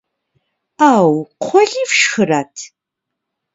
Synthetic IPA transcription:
aːwqʷʰɔɮiːfʃxɨɾatʰ

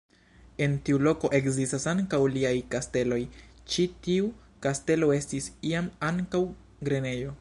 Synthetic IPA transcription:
e̞ntiulo̞ko̞ʔe̞kzistasaŋkawliajkaste̞lo̞jt͡ʃitiu | kaste̞lo̞e̞stisiamaŋkaw | ɡɾene̞jo̞

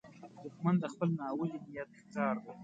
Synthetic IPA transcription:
d̪ʊkmand̪d̪əxpəlnɑwəlinijat̪̚ | kɑːɾd̪a

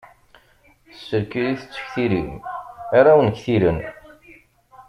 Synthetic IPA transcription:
θəsːəɾkiliθə̥t͡sːə̥çθiɾimaɾawənçθiɾən

